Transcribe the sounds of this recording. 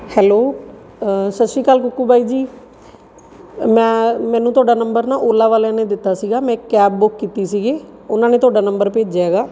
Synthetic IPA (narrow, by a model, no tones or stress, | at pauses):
hɛːloː | səʃiːkaːlkʊkːuːbʱaːiːd͡ʒiː | mɛ̃ːmɛ̃ːnũːt̪ʊaːɖaːnəmbəɾnaːʔoːlaːʋaːlãːnẽːd̪ɪt̪ːaːsiːɡaːmɛ̃ːkɛːb̚bʊkːiːt̪iːsiːɡeːʊnãːneːt̪ʊaːɖaːnəmbəɾpeːd͡ʒɛːɡaː